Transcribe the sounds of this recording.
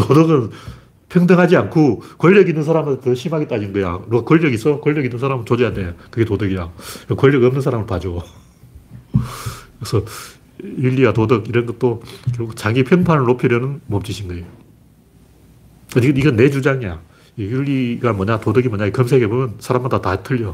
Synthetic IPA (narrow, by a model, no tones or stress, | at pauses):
todɯɡɯn | pʰjʌŋdʌŋɦad͡ʑiankʰokʌʎːʌɡinːɯnsʰaɾamɯntɯɕʰimɦaɡet͈aiinɡʌjaɾuɡakwoɭːʌɡis͈ʌkoʎːʌɡinːɯns̬ʰaɾamɯnt͡ɕod͡ʑejadejakɯɡe̞todɯɡijakwoɭjʌɡʌmnɯnsʰaɾamɯɭpad͡ʑo | kɯɾesʰʌ | iʎːiwatodɯɡiɾʌnɡʌt̚t͈okiɾɡuɡt͡ɕaɡipʰjʌŋpʰanɯɭnopʰiɾjʌnɯnmom̚t͡ɕ͈iɕʰimɡʌejo | aɲikɯniɡʌnːe̞d͡ʑud͡ʑaŋija | iiʎːiɡamwʌɲatodɯɡimʌɲaikʌms̬ʰe̞ɡebomjʌnsʰaɾamːandatatʰɯʎːʌ